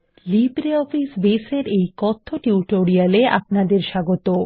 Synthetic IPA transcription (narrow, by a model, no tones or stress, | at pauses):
libɾeɔfisbeseɾejkɔt̪ʰːoʈiuʈoɾialeʔa̰p̚nad̪eɾʃaɡot̪o